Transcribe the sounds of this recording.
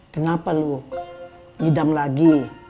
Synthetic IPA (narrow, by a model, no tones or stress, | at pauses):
kənapalu | nidamlaɡi